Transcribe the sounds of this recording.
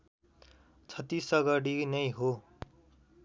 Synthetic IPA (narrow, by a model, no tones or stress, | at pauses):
t͡sʰʌt̪isʌɡʌɽinʌjɦo